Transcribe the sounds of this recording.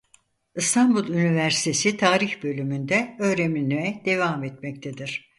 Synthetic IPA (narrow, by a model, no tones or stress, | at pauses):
ɯst̪ʰambulˠynivæɾsi̥t̪ʰe̞sit̪ʰaːɾiçbø̞lʲymynd̪ɛø̞ːɾeminyɛd̪̥e̞vamet̪mɛct̪ʰed̪iɾ̥